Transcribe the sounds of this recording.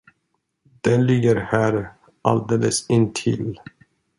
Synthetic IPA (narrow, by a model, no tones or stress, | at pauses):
d̪̥ɛnlɪɡːəɾhæːɾ | ʔa̰ld̪eːləsɪnt̪ʰɪ̰l